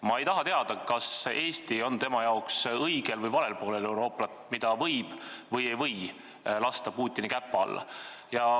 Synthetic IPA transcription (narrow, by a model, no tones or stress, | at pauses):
mɑe̞jt̪ɑɦɑt̪eɑd̪̥ɑkɑse̞ːst̪io̞nt̪e̞mɑjɑoksɤjɡ̥e̞lvɤjvɑle̞lpoːlele̞wɾo̞ːpˑlɑt̪mid̪̥ɑvɤjb̥vɤje̞jvɤj | lɑst̪ɑpuːt̪ʲːˑinikæpːˑɑ̰lːɑ̰ | jɑ